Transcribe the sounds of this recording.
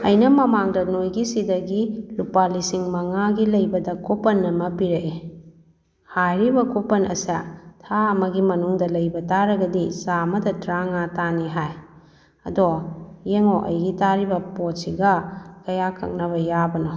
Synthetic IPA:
ɐjnɐmɐmaŋdɐnojɡisidɐɡilupalisiŋmɐŋaɡilɐjbɐdɐkopɐnːɐmɐpiɾeʔe | hajɾibɐkopɐnɐ̰sɐtʰaɐmɐɡimɐnuŋdɐlɐjbɐtaɾɐɡɐdisamɐdɐtɾaŋataniɦaj | ɐ̰dojeŋoʔɐjɡitaɾibɐpotsiɡɐkɐjakʰɐ̰k̚nɐβɐjabɐnɔ

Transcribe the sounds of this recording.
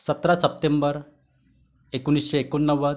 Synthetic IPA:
sət̪ɾasəp̚t̪embəɾ | ekunisɕeekonːəʋəd̪

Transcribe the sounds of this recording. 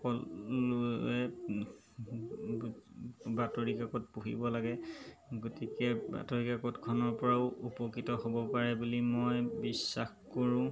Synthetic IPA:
kɔloɛ | batoɹikakɔt̚puɦḭbɔlaɡɛɡotikɛba̰toɹikakɔtkʰɔnɔɹpɔɹaʊupɔkitɔhobɔpaɹɛbulimɔjbisːaxkoɹʊ̃

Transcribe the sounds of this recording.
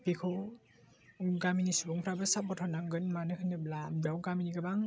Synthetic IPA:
pikʰɯw | ɡaminisubɔŋpʰɾabɯsap̚bɔtʰɔnaŋɡɯnmanɯkʰɯnɯblamdawɡaminiɡabaŋ

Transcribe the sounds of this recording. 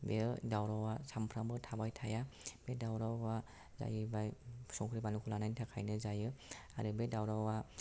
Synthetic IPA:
bedawɾawasampʰɾambɯtʰabajtʰajab̥edawɾawa | za̰jɯbajsɔŋkʰɾibanukʰulanajntʰakʰajnɯzajɯaɾɯbedawɾawa

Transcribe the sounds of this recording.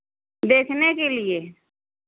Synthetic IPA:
d̪eːkʰnekelie

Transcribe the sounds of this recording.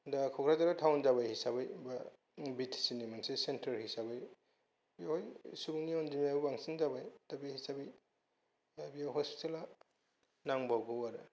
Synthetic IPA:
dakʰɔkʰɾazaɾatʰawnd͡ʒabajhisabajba | bitʰsinimansesentɐɾhisabaj | biahojsubuŋniɔnzimaubaŋsiŋzabajtabihisabij | abiawɦɔspi̥tela | naŋbawɡowaɾɯ

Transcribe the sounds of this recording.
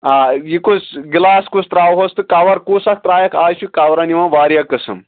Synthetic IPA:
aːjikusɡilaːskust̪ɾaːwɦost̪ɨkaʋɐɾkuːsɐk̚t̪ɾaːjɐkʰaːt͡ʃʰukawɾɐniʋãʋaːɾjɐkːɐsɐm

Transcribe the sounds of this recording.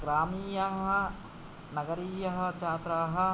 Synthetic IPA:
ɡɾaːmiːjɐɦɐ | nɐɡɐɾiːjɐɦɐ̆t͡ʃaːt̪ɾaːɦɐ̆

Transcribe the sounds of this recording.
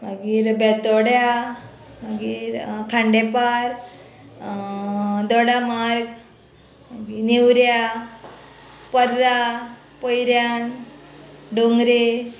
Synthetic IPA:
maɡiːɾbɛt̪ɔɽja | maɡiːɾkʰãɳɖepaɾ | d̪ɔɽamaɾɡ | maɡiːnewɾja | pəɾːa | pojɾjan | ɖoŋɡɾe

